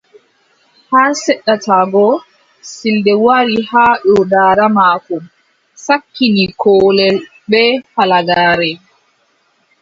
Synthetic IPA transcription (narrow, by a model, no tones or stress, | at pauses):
haɾsɛɗːatʰaːɡɔ | sildɛwaɾihaːɗɔdaːɾamaːkɔm | sakːinikɔːlɛl | ɓɛfalaɡaːɾɛ